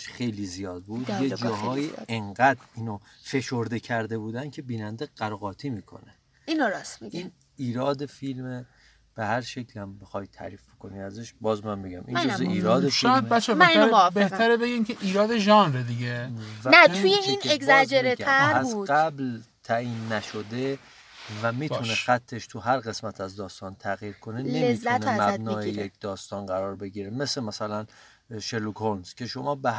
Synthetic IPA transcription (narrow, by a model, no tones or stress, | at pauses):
ʃxejlizijɒːd̪̚buːd̪jed͡ʒɒːɦɒːjḭeŋɡæd̪ɾiːnofe̞ʃoɾd̪ecʰæɾd̪e̞buːd̪æncʰe̞biːnænd̪eɢ̥æɾɔɣɒːt̪ʰiːmiːkʰo̞̰ne | inoɾɒsmiin | iːɾɒːd̪efilme | b̥ehæɾʃecʰlihæmbexɒjt̪ʰæ̰ɾiːfb̥ekʰo̞niæzeʃbɒːzmæmbeɡæmʔḭnozeʔiːɾɒːd̪eʃɔːjæd̪bæt͡ʃʰːɛmbeh̪ʰæɾebeɡimcʰeʔiːɾɒːd̪e̞ʒɒːnɾed̪iɟevænæt̪ʰujeinekzæd͡ʒeɾeææɾæbuzɢæblt̪ʰæiːnːæʃod̪e | væmiːunexæt̪ʰːeʃt̪ʰuɦæɾɣe̞smæt̪ʰæzd̪ɒːst̪ɒːnt̪ʰæɣiːɾkʰonenleemizːæutnʰemzææt̪nɒeːjeijekʰd̪̥ɒːst̪ɒːnɢæɾɒːɾbe̞ɟiːɾeme̞semæsælæn | ʃelukʰonscʲʰe̞ʃomɒːbe